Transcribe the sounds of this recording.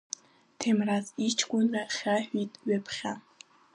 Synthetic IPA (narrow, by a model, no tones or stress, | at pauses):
tʰemrazit͡ʃʰkʷʼʊnraχʲaħᶣʷitʼɥapʰχʲa